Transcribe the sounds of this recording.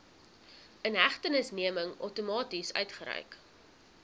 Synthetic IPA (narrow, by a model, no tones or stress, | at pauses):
ənɦæχtənəsniəməŋœ̰wtumɑːtisœ̰ɥtχəɾœ̰jk